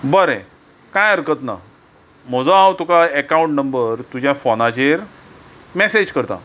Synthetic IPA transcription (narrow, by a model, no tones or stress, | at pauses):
bəɾẽ | kajəɾkət̪na̰ | m̤əd͡zoawt̪ukaəkaũɳʈnəmbəɾt̪ud͡ʑʱjafɔnat͡ɕeɾ | mesed͡ʑkəɾt̪a̰